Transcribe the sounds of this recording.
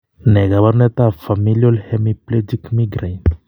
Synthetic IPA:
nɛɡaβaɾnɛt̪afamiliolhemipled͡ʒikmiɡɾajn

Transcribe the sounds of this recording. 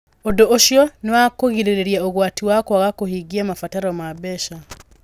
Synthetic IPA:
odoʔoʃjɔnewakoɣiɾeɾeɾiaoɣwatiwakwaɣakohiɡiamafataɾɔmabɛʃa

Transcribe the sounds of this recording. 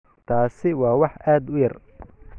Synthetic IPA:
t̪ʰaːsɪwɑːwɑħʔaːd̪ʊjɐr

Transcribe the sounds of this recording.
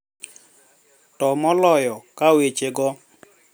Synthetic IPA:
tɔmɔlɔjɔkawet͡ʃeɡɔ

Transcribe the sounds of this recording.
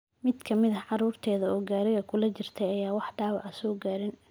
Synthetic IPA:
mɪd̪kʰɐmɪðɐʕɑɾuːrt̪ʰɛːðɐɔːɡaːɾɪɣɐkʰʊlɐt͡ʃɪrt̪ʰɛjɐjaːwɑħɖaːwʕɐsɔːɡaːɾɪn

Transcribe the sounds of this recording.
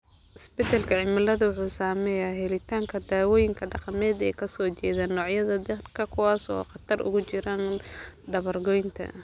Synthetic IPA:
ʔɪsbɪt̪ʰɐlkʰɐʕɪmɐlɐðɐwʊħuːsaːmɛːjaːɦɛlɪt̪ʰaːŋkʰɐd̪aːwɔːjɪŋkʰɐɖɑqɑmɛːd̪ɛːkʰɐsɔːt͡ʃɛːðaːnːɔːʕjɐðɐd̪ɐrkʰɐkʰʊwɑːsɔ̰ːqɑt̪ʰɐrʊ̰ɣʊt͡ʃɪɾaːnɖɐβɐrɡɔjnt̪ʰɐ̰

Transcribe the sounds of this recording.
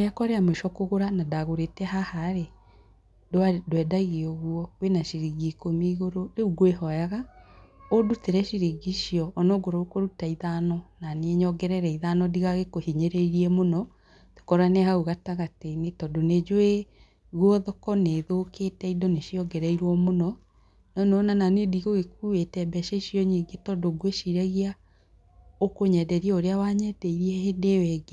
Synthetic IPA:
ɾeakɔɾeameʃɔkoɣoɾanadaɣoɾetɛhahaɾe | dadwɛdaiɣeɔɣwɔwenaʃiɾiɡikomiːɣoɾoɾeuɡweɦɔjaɣa | oduteɾɛʃiɾiɡiʃiɔːnɔɡoɾɔukoɾutaiðanɔnaneeɲɔɡɛɾɛɾɛiðanɔdiɣaɣekohiɲeɾeiɾiɛmonɔ | to̥kɔɾaneɦauɣataɣateinetɔdoned͡ʒoe | ɣwɔðɔkɔneðoːkeːtɛidɔneʃiɔɡɛɾɛiɾwɔmonɔ | nɔneɔnananediɣoɣekuetɛbɛʃeʃiɔɲiɡetɔdoɡweʃiɾaɣia | okoɲɛdɛɾiɛoɾeawaɲɛdɛiɾiɛhedewɛɡe

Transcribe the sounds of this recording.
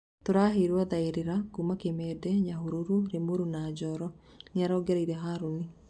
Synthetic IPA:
toɾaːɦeɾwaðaeɾeɾakumakemɛːdɛɲahuɾoɾuɾemoɾunaːd͡ʒɔɾɔ | neaɾɔːɡɛɾaiɾɛɦaɾoni

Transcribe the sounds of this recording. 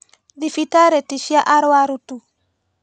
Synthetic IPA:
difitaɾetiʃiaʔaɾwaɾutu

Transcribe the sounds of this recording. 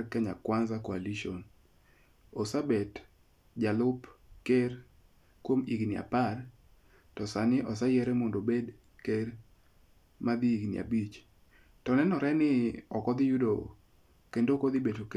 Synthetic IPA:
kɛɲa̰kwanzakoaliʃon | osabet | d͡ʒalʊpker | kwomiɡnɪa̰par | tɔsanɪʔɔs̬ajɛɾɛmɔndobed | ker | mad̪iiɡnɪ̰ʔa̰bit͡ʃ | tɔnɛnɔɾɛnɪɔkɔd̪ɪjudo | kendokod̪ibetok

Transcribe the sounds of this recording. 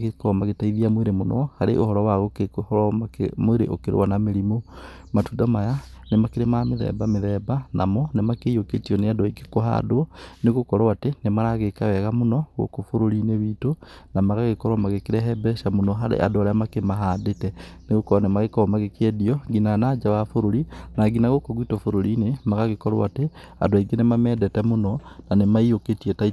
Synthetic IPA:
ɣekɔmaɣetaiðiamweɾemonɔ̰haɾḛʔo̰hɔɾɔwaɣokekhɾamoeɾḛʔo̰keɾḛwanameɾimo | matudamaja | nemakeɾemameðɛ̰bameðɛbanʔa̰mɔnemakeoketiɔneadɔike̥koɦa̰doɔneɣokɔɾawatenemaɾaɣekawɛɣamonɔɣo̰kofoɾoɾineβiːtonamaɣaɣekɔɾwamaɣekeɾɛɦɛbɛʃamonɔɦaɾḛʔa̰doaɾeamakemaɦadetɛneɣokɔɾanemaɣekɔɔmaɣekɛdiɔɡinanaːd͡ʒawafoɾoɾinaɡinaɣokoɣwitɔfoɾoɾinemaɣaɣekɔɾa̰a̰te | a̰dwaiɡenemamɛdɛtɛmonɔnanemaioketiɛtai

